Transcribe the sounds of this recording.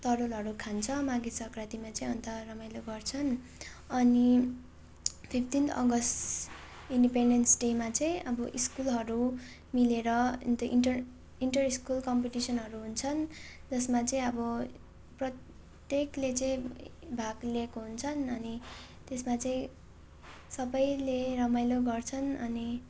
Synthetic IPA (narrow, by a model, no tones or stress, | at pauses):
t̪ʌɾolɦʌɾukʰant͡sʰʌmaɡisʌkrat̪imat͡sʌĩʌnt̪ʌrʌmajloɡʌrt͡sʰʌn | ʌni | pʰipʰt̪int̪ʌ̰ɡʌsʈ | inɖipeɳɖensʈemat͡sʌĩʔʌbʌʔiskulɦʌɾu | mileɾʌ̰nt̪inʈʌr | iɳʈʌriskulkʌmpiʈisʌnɦʌɾuɦunt͡sʰʌnd͡zʌsmat͡sʌĩʌbʌ | prʌt̪ | jeklet͡sʌĩbʱaɡlekoɦunt͡sʰʌnʌni | t̪esmat͡sʌĩ | sʌbʌjlerʌmajloɡʌrt͡sʰʌnʌni